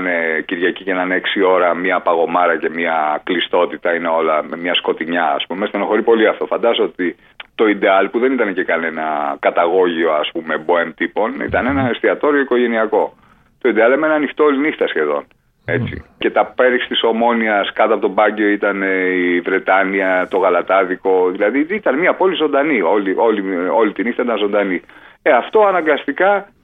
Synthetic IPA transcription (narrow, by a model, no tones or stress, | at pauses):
neciɾʝɐcicenɐneksio̞ɾɐmiɐpɐɣo̞mɐɾɐce̞miɐklist̪o̞t̪it̪ɐineo̞lɐmɲɐsko̞t̪iɲɐ̰ːspumest̪enoxo̞ɾipo̞liɐft̪o̞fɐnd̪ɐsot̪i | t̪o̞id̪e̞ɐlpuðe̞nit̪ɐnece̞kɐne̞nɐkɐt̪ɐɣo̞ʝio̞ɐspume̞boemt̪ipo̞nḭt̪ɐne̞nɐest̪iɐt̪o̞ɾjoiko̞ʝe̞niɐko̞ | t̪o̞id̪eɐlemenɐːnixt̪oolinixt̪ɐsçe̞ðo̞̰n | e̞t͡sḭce̞t̪ɐpe̞ɾisi̥t̪iso̞mo̞niɐskɐt̪ɐpo̞t̪o̞bɐɟeo̞it̪ɐneivɾe̞t̪ɐniɐt̪o̞ɣɐlɐt̪ɐðiko̞ðilɐðiit̪ɐnmiɐpo̞lizo̞nd̪ɐnio̞liʔo̞lio̞lit̪inixt̪ɐit̪ɐnzo̞nd̪ɐnieɐft̪o̞ɐnɐŋɡɐst̪ikɐ